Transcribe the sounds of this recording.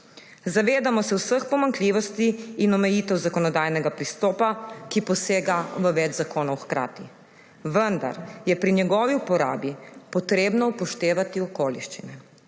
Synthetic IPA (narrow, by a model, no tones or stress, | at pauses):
zaʋeːd̪amɔsɛwsəxpɔmaŋkliʋɔst̪iːnɔmɛjiːt̪ɛwzakɔnɔd̪ajnɛɡapɾist̪ɔːpakipɔseːɡaʋəʋɛd͡ʒzakoːnɔwxkɾa̰ːt̪i | ʋənd̪a̰ɾjɛpɾiɲɛɡɔːʋiupɔɾa̰ːbipɔt̪ɾeːbnɔpɔʃt̪eːʋat̪iɔkoːliʃt͡ʃinɛ